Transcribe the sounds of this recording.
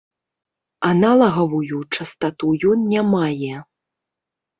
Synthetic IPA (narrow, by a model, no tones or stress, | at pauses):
analˠɐɣɐvujut͡ʂɐst̪at̪ujɔnnʲamajɛ